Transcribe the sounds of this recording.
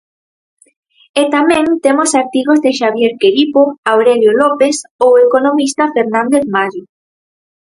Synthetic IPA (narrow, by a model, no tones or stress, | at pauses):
et̪amẽnt̪emosaɾt̪iɣozðeʃaβjeɾkeɾipoawɾeljolɔpesowekonomist̪afeɾnãnd̪eθmaʎo